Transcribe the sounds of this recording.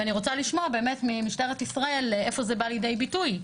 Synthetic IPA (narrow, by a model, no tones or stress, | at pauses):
aniʁo̞t͡saliʃmo̞abe̞ːme̞tmimiʃteʁetisʁae̞lefo̞zebaljede̞jbituj